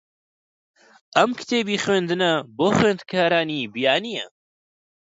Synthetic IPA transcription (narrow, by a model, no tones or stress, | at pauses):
ʔɐmkɨ̥t̪ʰeːbiːxweːnd̪ɨnɐboːxweːnd̪kʰaːɾaːniːbijaːnijɐ